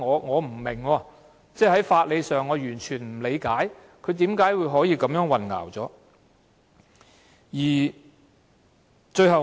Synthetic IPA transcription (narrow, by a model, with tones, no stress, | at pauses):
ŋɔː˨˧ŋɔː˨˧m̩˨˩mɪ˨˩ŋwɔː˧ | t͡sɛː˥˩hɐ˨˥jfaː˧t̚le˨˧jsœː˨˩ŋːɔː˨˧jyː˨˩nt͡ʃʰyː˨˩nm̩˨˩le˨˧jkaː˨˥j | kʰɵ˨˧ɥt̪iː˨˥mkaː˨˥jwu˨˧jɦɔː˨˥jiː˧kɐ˨˥mjœː˨˥ŋwɐ˨nŋa̰ː˨˩wt͡sɔː˨˥ | jiː˨˩ | t͡ʃɵ˧ɥɦɐ˨w